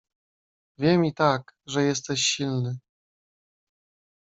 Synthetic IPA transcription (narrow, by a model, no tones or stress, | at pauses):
vʲjɛmʲit̪akʐɛjɛst̪ɛɕɕilnɘ